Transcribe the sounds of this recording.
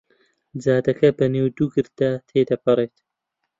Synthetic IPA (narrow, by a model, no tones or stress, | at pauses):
zaːd̪ɐkɐbɐneːwd̪uːɡɨɾd̪at̪ʰeːd̪ɐpɨɾeːt̪